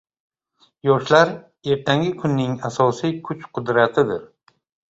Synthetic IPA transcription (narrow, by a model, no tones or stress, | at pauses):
jɒʃlaɾ | e̞ɾt̪ʰaŋɡʲɪkʰʊnːɪŋasɒsijkʰʊt͡ʃqʰʊd̪ɾat̪ʰɪd̪ɪɾ